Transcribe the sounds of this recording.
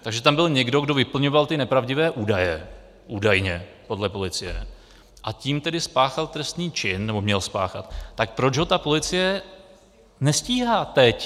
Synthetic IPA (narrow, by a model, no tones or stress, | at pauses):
t̪aɡʒɛt̪ambɪlɲɛɡdo̞ɡdo̞vɪpl̩ɲo̞valt̪ɪnɛpɾavɟɪvɛːʔuːdajɛ | ʔuːdajɲɛ | po̞dlɛpo̞lɪt͡sɪjɛ̰ | ʔaciːmt̪ɛdɪspaːxalt̪ɾɛst̪niːt͡ʃɪnːɛbo̞mɲɛlspa̰ːxa̰t̪ːak̚pɾot͡ʃɦo̞t̪apo̞lɪt͡sɪjɛ | nɛsciːɦaːt̪ɛc